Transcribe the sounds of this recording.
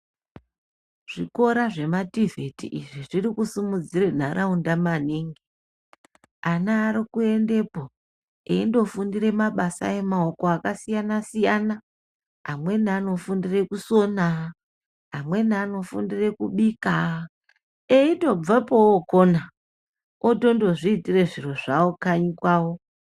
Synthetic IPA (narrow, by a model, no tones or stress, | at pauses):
ʐ̥iko̞ɾaʐe̞mativʱe̞tḭʔiʐiʐiɾikusumud͡ziren̤aɾʔaundamaneːŋɡe | anaːɾikue̞nde̞po | eindo̞fundiɾe̞maɓasa̰e̞maokoakasijanasijana | ɦamwe̞nano̞fundire̞kuso̞na | ɦamwe̞niano̞fundire̞kuɓika | eito̞b͡vapowokona | oto̞ndo̞ʐiːtire̞ʐiro̞ʐaokaɲikwaːwo